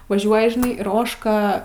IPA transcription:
ʋɐˈʒʲuɔjɪ ʒʲɪˈnɐɪ ɪr ˈoːʃkɐ

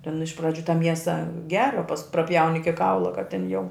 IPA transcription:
tʲɛn ɪʃ prɐˈd͡ʒʲuː tɐ ˈmʲiɛsɐ ˈɡʲæːrɐ pɐs prɐˈpʲjɛʊnʲɪ ɪkʲɪ ˈkɐʊlˠɐ kɐt tʲɛn jɛʊ

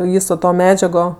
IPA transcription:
ˈʋʲiːsoː toː ˈmʲæːd͡ʒʲɛɡoː

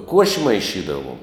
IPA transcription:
ˈkuɔʃʲɪ mɐɪˈʃʲiːdɐʋuɔm

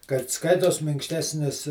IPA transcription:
kɐt ˈskɐɪtoːs mʲɪŋkʃʲˈtʲæːsʲnʲɪs

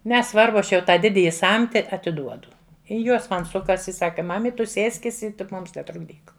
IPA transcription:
nʲɛˈsʋɐrbʊ ˈɐʃ jɛʊ ˈtɑː ˈdʲɪdʲɪjɪ ˈsɐmʲtʲɪ ɐtʲɪˈduɔdʊ ɪ ˈjuɔs ˈmɐn ˈsʊkɐs ɪ ˈsɑːkɐ ˈmɑːmʲɪt ˈtʊ ˈsʲeːsʲkʲɪs ɪ tʲɪk ˈmʊms nʲɛtrʊɡˈdʲiːk

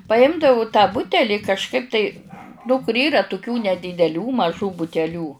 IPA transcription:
pɐˈɪmdɐʋʊ tɑː ˈbʊtʲɛlʲɪ kɐʃˈkɐɪp tɐɪ nʊ kʊr ˈiːrɐ tʊˈkʲuː nʲɛdʲiːdʲɛˈlʲuː mɐˈʒuː bʊtʲɛˈlʲuː

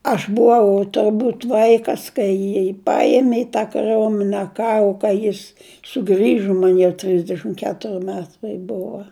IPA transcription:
ˈɐʃ bʊˈʋɐʊ tʊrˈbuːt ˈʋɐɪkɐs kɐɪ ˈjiː ˈpɐeːmʲɪ ɪ tɑː kɐˈrʲoːmʲɪnʲɛ ˈkɑːrʊ kɐɪ ˈjɪs sʊˈɡrʲɪʒʊ ˈmɐn jɛʊ ˈtʲrʲɪzʲdʲɛʃʲɪm ˈkʲæːtʊrʲɪ ˈmʲæːtɐɪ ˈbʊʋɐ

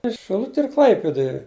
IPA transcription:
ɪs ʃʲɪˈlˠʊtʲɪ ɪr ˈklˠɐɪpʲɪdʊj

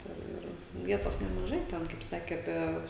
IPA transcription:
tɐ ˈɪr ˈʋʲiɛtoːs nʲɛmɐˈʒɐɪ ˈtʲɛn kɐɪp ˈsɑːkʲeː ɐˈpʲiɛ

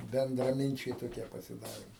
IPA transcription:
bʲɛndrɐˈmʲɪnʲt͡ʃʲɛɪ toːˈkʲiɛ pɐsʲɪˈdɑːrʲeːm

